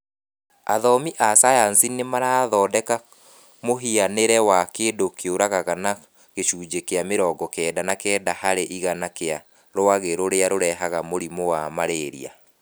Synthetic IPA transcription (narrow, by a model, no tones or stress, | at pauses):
a̰ðɔmiʔasajansinemaɾaðɔːdɛka | moɦianeɾɛwakeːndokeoɾaɣaɣana | ɣeɕuːd͡ʒekeameɾɔːɡɔkɛdanakɛːdahaɾeʔiɣanakea | ɾoaɣeɾoɾeaɾoɾɛɦaɣamoɾimowamaɾeɾḭa̰